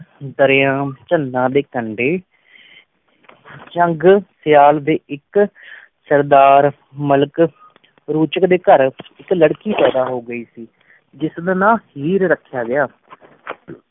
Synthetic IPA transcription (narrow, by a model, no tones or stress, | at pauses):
d̪əɾɪjãːt͡ʃənãːd̪eːkəɳɖeː | t͡ʃəŋɡsɪjaːld̪eːɪk | səɾd̪aːɾ | mələk | ɾuːt͡ʃəkd̪eːkəɾɪkləɽkiːpɛːd̪aːɦoːɡəiːsiː | d͡ʒɪsd̪nãːhiːɾɾəkʰːɪjaːɡɪjaː